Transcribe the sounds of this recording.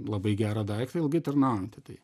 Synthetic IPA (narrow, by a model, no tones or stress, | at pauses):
lˠɐbɐɪɡʲæːɾɐd̪ɐɪkt̪ɐɪlˠɡʲɪt̪ɐrnɐʊont̪ʲɪt̪ɐɪ